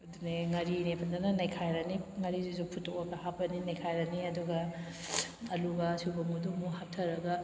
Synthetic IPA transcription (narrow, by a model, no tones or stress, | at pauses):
ɐduneŋɐɾinepʰɐndanɐnɐjkʰajɾɐniŋɐɾizuzuk̚pʰutokokɐhapɐninɐjkʰajɾɐniɐduɡɐ | ɐluɡɐsubɐmuduŋmuhap̚tʰɐɾɐɡɐ